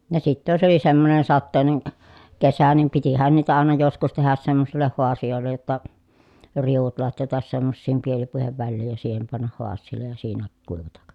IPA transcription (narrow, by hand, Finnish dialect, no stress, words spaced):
jɑ sitːæ jos oli semːonen sɑtːeˑi̯nen kesæ nim pitihæn niːtæ ɑˑenɑ joskus tehæs semːosilːeh huɑsijoˑelːej jotːɑ riuʋut lɑtjɑtɑs semːosːiːm pielipuiheʋ ʋælːiːj jɑ siːhem pɑnːɑh huɑsˑiːlːej jɑ siːnæ kuiʋɑtɑk